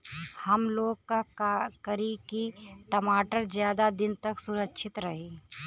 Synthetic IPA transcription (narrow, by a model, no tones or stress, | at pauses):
hɐmloːɡ̚kakəɾekiʈɐmaːʈəɾzjaːd̪ad̪ɪnt̪ɐksʊɾəkʃʰɪt̪ɾɐɦeː